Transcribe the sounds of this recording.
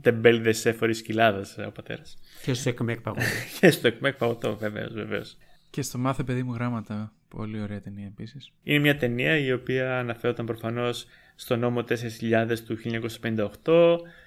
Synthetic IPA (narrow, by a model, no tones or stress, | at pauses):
t̪e̞mbe̞liðesefo̞ɾiscilɐðɐso̰pɐt̪e̞̰ɾɐscest̪oekmek̚pɐɣocʰest̪oekmek̚pɐɣot̪o̞ve̞ve̞̰o̰zve̞ve̞̰oscest̪omɐθepe̞ðimuɣɾɐmɐt̪ɐ | po̞̰lio̞ɾeɐt̪e̞niɐepisisine̞mɲɐt̪e̞niɐio̞piɐːnɐfe̞ɾot̪ɐmpɾo̞fɐno̞sː | t̪o̞no̞mo̞t̪e̞se̞ɾisçiʎɐðe̞st̪uçilʎːɲɐko̞sɐspe̞nind̪ɐoxt̪o̞